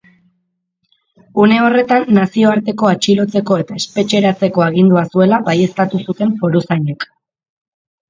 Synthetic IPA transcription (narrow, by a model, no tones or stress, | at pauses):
une̞o̞re̞t̪anːasio̞aɾt̪e̞ko̞at͡ʃilo̞t͡se̞ko̞e̞t̪ae̞spe̞t͡ʃe̞ɾat͡se̞ko̞aɣ̞ind̪uasue̞laβaje̞st̪at̪usut̪e̞ɱfo̞ɾusaɲek